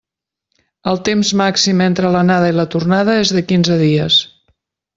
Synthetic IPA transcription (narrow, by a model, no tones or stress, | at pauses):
əlˠt̪emzmaksiment̪ɾələnaðəilət̪urnað̞əezðəkinzəðiəs